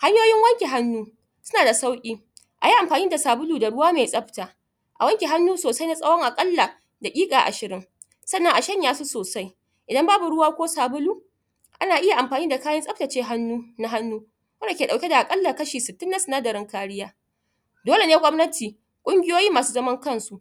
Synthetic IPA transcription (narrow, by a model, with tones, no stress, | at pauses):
ha˦ɲjoː˦jɪ˦ŋwɐ˦ŋkʲe˨ɦa˦nːuː˦ | sʊ̥˦naː˨da˨sa˦wkʲʼiː˦ | ʔa˨ji˦ʔa˨mɸaː˨niː˦da˨saː˨bʊ˦luː˨da˨ɽʊ˦waː˦meː˨jsʼɐ˦ɸtaː˨ | ʔa˨wɐ˦ŋkʲe˨ɦa˦nːuː˦soː˨sa˦jna˦sʼɐ˦wɔ˦ŋʔa˨kʼɐ˦lːa˨ | da˨kʲʼiː˦kʼaː˨ʔa̰˨ʃɪ˨ɾɪ˦ŋ | sɐ˦nːɐ˦ŋʔa˨ʃɐ˦ɲjaː˦su˦soː˨sa˦j | ʔɪ˨dɐ˦mbaː˦bu˨ɽʊ˦waː˦kʷoː˦saː˨bʊ˦luː˦ | ʔa˦naː˨ʔɪ˦ja˨ʔa˨mɸaː˨niː˦da˨kaː˦jɐ˦nsʼɐ˦ɸta˨t͡ʃeː˦ɦa˦nːuː˦na˦ɦa˦nːuː˦ | wɐ˦nda˨kʲeː˨ɗa˨wkʲe˦da˨ʔa˨kʼɐ˦lːa˨kɐ˦ʃiː˨sɪ˨tːɪ˦nːa˦sʊ˨naː˦dɐ˨ɾɪ˦ŋkaː˦ɽɪ˦jaː˦ | doː˦le˨neː˦ɡʷɔ˦mnɐ˦tʰiː˨ | kʷʼʊ˦ŋɡʲɪ˦joː˦jiː˦maː˨suː˦zɐ˦mɐ˦ŋkɐ˦˨nsu˦ʔ